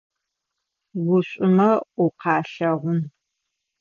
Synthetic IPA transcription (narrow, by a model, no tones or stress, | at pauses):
ɡʷʊɕʷʼʊmɐʔʊqɑːɬɐʁʷʊn